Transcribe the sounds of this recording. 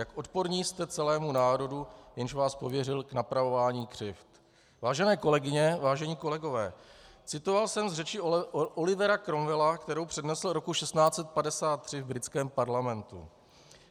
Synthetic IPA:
jakʔo̞t̪po̞ɾɲiːst̪ɛt͡sɛlɛːmunaːɾo̞dujɛnʃvaːspo̞vjɛrɪlknapɾavo̞vaːɲiːkr̥ɪft̪ | vaːʒɛnɛːko̞lɛɡɪɲɛvaːʒɛɲiːko̞lɛɡo̞vɛːt͡sɪt̪o̞valsɛmzrɛt͡ʃɪolɪvɛɾakɾo̞mvɛlakt̪ɛɾo̞wpr̝̥ɛdnɛsl̩ɾo̞kuʃɛst̪naːt͡sɛt̪̚padɛsaːt̪̚ːr̥ɪvbɾɪt͡skɛːmpaɾlamɛnt̪ṵ

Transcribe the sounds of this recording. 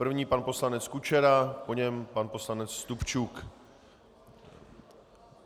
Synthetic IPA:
r̩vɲiːpanpo̞slanɛt͡skut͡ʃɛɾapoɲɛmpanpo̞slanɛt͡sːt̪upt͡ʃuk

